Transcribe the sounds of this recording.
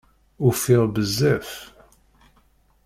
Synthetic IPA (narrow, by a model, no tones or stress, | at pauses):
ufɪʁbəzːæf